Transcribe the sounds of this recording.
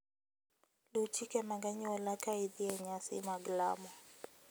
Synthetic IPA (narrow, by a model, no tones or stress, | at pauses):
lut͡ʃikɛmaŋɡaɲiwɔlakaiðiɛɲasḭmaɡla̰mɔ